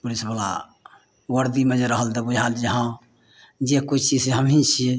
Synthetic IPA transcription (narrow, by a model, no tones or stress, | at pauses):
pulisbəla̰ | wəɾd̪imed͡ʒeɾəɦəld̪əbud͡ʒʱald͡ʒəɦã | d͡ʒekut͡ʃʰt͡ʃid͡ʒseɦəmɦĩt͡ʃʰi